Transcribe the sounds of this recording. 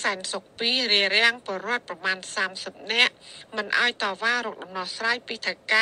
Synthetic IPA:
saɛnsok̚piːriəɾɛ̆əŋpŏəɾŏət̪̚prɑmaːnsaːmsəp̚nɛ̆əʔmɨnʔaɔjt̪ɑːʋaːɾɔːk̚ɗɑmnɑhsraːjpiːt̪ʰəka

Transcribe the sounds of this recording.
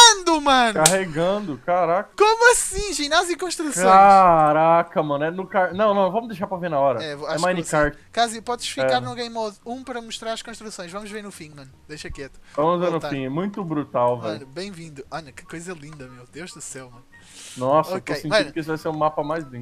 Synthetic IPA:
nd̪ʊmɐ̃nkaɦeɡɐ̃d̪ʊkaɾakɐkomuɐsĩʒinazĩkõʃt̪ɾusõãɾakɐmɐ̃nɛnʊkaɾnɐ̃w̃nɐ̃w̃vɐ̃mʊzd̪ejʃaɾpɾɐvẽɾnɐɔɾɐɛvoaɛmãj̃nikaɾt͡ʃkazipɔðʃfiɛkaɾnʊɡɐjmoðũpɐɾɐmʊʃt̪ɾaɾɐʃkõʃt̪ɾusõj̃ʃvɐ̃mʊʒveɾnʊfĩmɐ̃nʊd̪ejʃɐkɛt̪ʊvɐ̃mʊzveɾnʊfĩɛmũj̃t̪ʊbɾut̪awvɛʎʊbẽj̃vĩnd̪ʊɐ̃nɐkɪ̥kojzɐlˠĩnd̪ɐmewd̪ewʒd̪ʊsɛwmɐ̃nn | nɔsoɐtkoesẽt͡ʃmɐ̃ʊkɪesʊvajseɾũmapɐmajzlĩɡ

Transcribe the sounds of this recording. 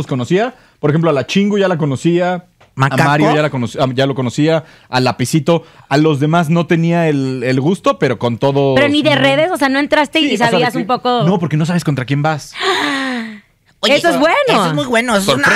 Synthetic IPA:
osko̞nosia | poɾexemploalat͡ʃiŋɡuʝalak̬ono̞sia | maaamaɾjoʝalakonosaʝalo̞ko̞no̞sia | alapisit̪o̞alo̞zðe̞mazno̞t̪e̞niaelelɣust̪o̞pe̞ɾo̞ko̞nt̪o̞ðo̞peɾoniðere̞ðe̞soseano̞e̞nt̪ɾast̪e̞isaβiasumpo̞kono̞po̞ɾke̞no̞saβeskont̪ɾakje̞mbas | oeoezβwenooemujwenoon

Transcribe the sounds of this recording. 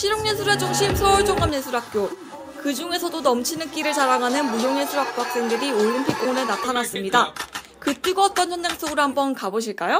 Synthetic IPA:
ɕʰiɾoŋɲesʰuɾad͡ʑoŋɕʰimsʰʌuɭd͡ʑoŋamɲesʰuɾɦak̚k͈jo | kɯd͡ʑuŋe̞sʰʌdonʌmt͡ɕʰinɯnk͈iɾɯɭt͡ɕaɾaŋɦanɯnmujoŋesʰuɾɦak̚k͈oɦak̚s͈e̞ŋdɯɾioʎːimpʰik̚k͈oŋunenatʰanas͈ɯmɲida | kɯt͈iɡoʌt̚t͈ʌnçjʌnd͡ʑaŋs͈oɡɯɾhambʌnkaboɕʰiɭk͈ajo

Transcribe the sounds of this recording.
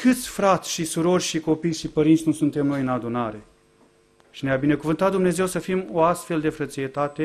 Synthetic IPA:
kɨt̪sʲfɾat̪sʲʃisuɾo̞rʲʃiko̞pijʃipəɾintsʲnusunt̪e̞mno̞jɨnad̪unaɾe | ʃineabine̞kuvɨnt̪at̪̚d̪umne̞ze̞wsəfimoast̪fe̞ld̪e̞fɾət̪sijet̪at̪e̞

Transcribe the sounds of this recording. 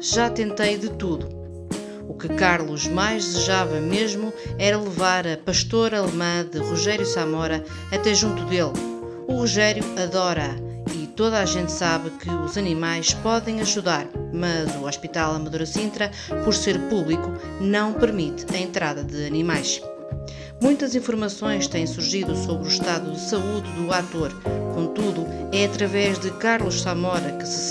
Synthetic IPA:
ʒat̪ẽnt̪ɐjðɨt̪uðu | ukɨkaɾlˠuʒmajʒðɨzɨʒavɐmeʒmuɛɾɐlˠɨvaɾɐpɐʃt̪oɾɐlˠmɐ̃ðɨʁuʒɛɾjusamɔɾɐ | ɐt̪ɛʒũnt̪uðelˠ | uʁuʒɛɾjuɐðɔɾɐ | it̪oðaʒẽnt̪saβɨkɨuzɐnimajʃpɔðẽj̃ɐʒuðaɾmɐzuɔʃpit̪alˠɐmɐðoɾɐsĩnt̪ɾɐ | pɔɾseɾpuβlˠiku | nɐ̃w̃pɨɾmit̪ɐẽnt̪ɾaðɐðɨɐnimajʃ | mũj̃t̪ɐzĩfuɾmɐsõj̃ʃt̪ẽj̃suɾʒiðusoβɾuʃt̪aðuðɨsɐuððuat̪oɾkõt̪uðuɛɐt̪ɾɐvɛʒðɨkaɾlˠuʃsɐmɔɾɐkɨ̥sɨ̥

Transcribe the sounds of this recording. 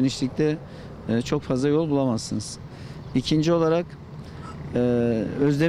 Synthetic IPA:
eniʃlʲic̚t̪ʰɛ | t͡ʃʰo̞kfazlˠajo̞lˠbulˠamazsɯnɯz̥ | icʰind͡ʒio̞lˠaɾak | øzd̪e

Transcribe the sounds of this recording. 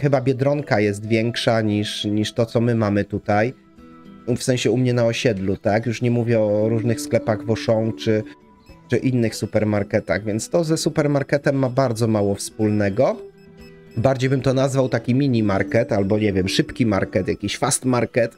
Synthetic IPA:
xɘbabʲjɛd̪ɾɔŋkajɛs̬t̪vʲjɛŋkʂaɲiʂɲiʂt̪ɔt̪sɔmɘmamɘt̪ut̪aj | fsɛ̃ɕɛumɲɛnaɔɕɛd̪lut̪akjuʂɲɛmuvʲjɛɔɾuʐnɘxsklɛpaɣvɔʂɔ̃w̃t͡ʂɘ | t͡ʂɘʔinːɘxsupɛɾmaɾkɛt̪a̰ɣvʲjɛnt̪st̪ɔzɛsupɛɾmaɾkɛt̪ɛmːabaɾd̪zɔmawɔfspulnɛɡɔ | baɾd͡ʑejbɘmt̪ɔnazvawt̪akʲimʲiɲimaɾkɛt̪albɔɲɛvʲjɛmʂɘpkʲimaɾkɛt̪jakʲiɕfast̪maɾkɛt̪

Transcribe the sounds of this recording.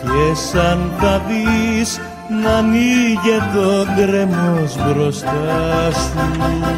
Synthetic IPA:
esɐnpɐðis | nɐniʝet̪oŋɡɾemozbɾo̞st̪ɐsu

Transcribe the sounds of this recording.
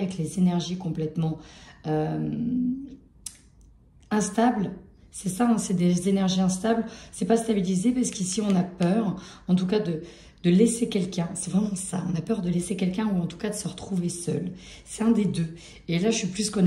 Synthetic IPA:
vɛklezenɛʁʒikɔ̃plɛt̪mɑ̃øm | ɛ̃st̪abl | sɛsaɛ̃sɛd̪ezenɛʁʒiɛ̃st̪ablsɛpast̪abilizepaʁsə̥kisiɔ̃napœːʁɑ̃t̪ukad̪ə | d̪̥əlesekʲɛlkʲɛ̃sɛvʁɛmɑ̃sa̰ɔ̃napœʁd̪əlesekʲɛlkʲɛ̃uɑ̃t̪u̥kad̪əsəʁət̪χuvesœ̰lsɛ̥t̪ɛ̃d̪ed̪ø | elaʒəʃɥiplyskɔ̃n

